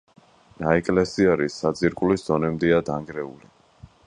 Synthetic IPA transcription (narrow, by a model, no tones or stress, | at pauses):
naɛkʼlɛsiaɾisːad̪ziɾkʼuliszɔnɛmd̪ɛad̪aŋɡɾɛṵli